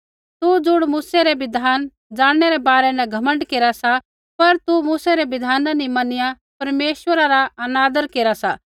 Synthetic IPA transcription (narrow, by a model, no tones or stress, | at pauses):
t̪ud͡zʊɽmuːsɛɾɛbɪd̪ʱaːn | d͡zaːɽɽ̃ɛɾɛbaːɾɛnɛɡʱɐmə̃ɳɖkeːɾasa | pɐɾt̪umuːsɛɾɛbɪd̪ʱaːnãnimɐnɪja | pɐɾmeːʃwəɾaɾaɐnaːd̪əɾkeːɾasa